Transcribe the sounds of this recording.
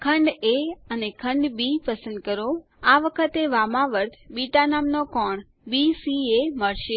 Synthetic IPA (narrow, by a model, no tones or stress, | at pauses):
kʰəɳɖeənekʰəɳɖbipəsə̃nd̪̚kəɾo | aʋəkʰət̪eʋamãʋəɾt̪ʰbiʈanamnokɔɳ | bisieməɭʃe